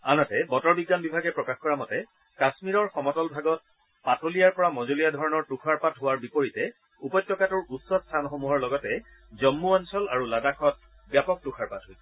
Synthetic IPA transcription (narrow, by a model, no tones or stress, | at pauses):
a̰natɛbɔtɔɹbiɡːanbibʱaɡɛpɹɔkaxkɔɹamɔtɛ | kasmiɹɔɹxɔmɔtɔlbʱaɡɔt̚ | patolijaɹpɔɹamɔzolijadʱɔɹɔnɔɹtukʰaɹpatɦʊwaɹbipoɹitɛ | upɔjtːɔkatuɹusːɔtstʰanxomuɦɔɹlɔɡɔtɛ | zɔmːuɔnsɔla̰ɹuladaxɔt̚ | bjapɔk̚tuxʰaɹpatɦoj